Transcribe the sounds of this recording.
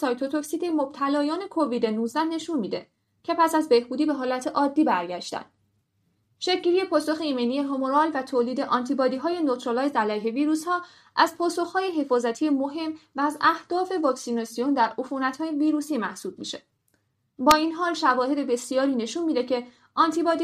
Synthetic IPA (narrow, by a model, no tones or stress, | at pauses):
sɒjt̪ʰot̪ʰoksit̪emob̥̚t̪ʰælɒːjɒːne̞kʰo̞viːd̪e̞nuzd̪æhne̞ʃunmiːd̪e̞̰ | cʰe̞pʰæsæzbe̞hbuːd̪iːbe̞ɦɒːlæt̪ʰe̞ʔɒːd̪ːiːbæɾɟæʃt̪æ̰nd̪ | ʃecʰɟiːɾije̞pʰɒːso̞xeiːmenijeɦomoɾɒːlvæt̪ʰoːliːd̪e̞ʔɒːnt̪ʰibɒːd̪iːɦɒːje̞not̪ʰɾolɒːjzd̪ælæjɦe̞viːɾuːshɒː | ʔæzpʰɒːso̞xhɒːje̞ɦe̞fɒːzæt̪ʰijemoɦe̞mvæːzæhd̪̥ɒːfe̞vɒːksinɒsijo̞nd̪æɾʔofunæt̪hɒːjeviːɾusiːmæhsuːb̥̚mḭʃe̞ | bɒːiːnɦɒːlʃævɒːhe̞d̪e̞be̞sijɒːɾiːne̞ʃunmiːd̪e̞cʰe̞ | ʔɒnt̪ʰibɒːd̪